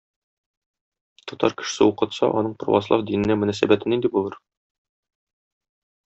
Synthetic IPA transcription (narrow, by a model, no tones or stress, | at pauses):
t̪ɒt̪ɑ̰ɾkɘ̥̆ʃ̆sɘuqɤ̆t̪sɑ̰ʔɒnɤɴpro̰wɑ̰slˠɑfd̪inɘ̆næmɵ̆næsæbæt̪ɘ̆nind̪ibulˠɤɾ